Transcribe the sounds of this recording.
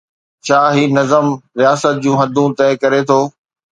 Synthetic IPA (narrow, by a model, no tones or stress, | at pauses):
t͡ɕʰaːɦiːnɐzəmɾijaːsət̪̚d͡ʑũːɦɐd̪ʱũt̪ɐɦɪkɐɾet̪ʰoː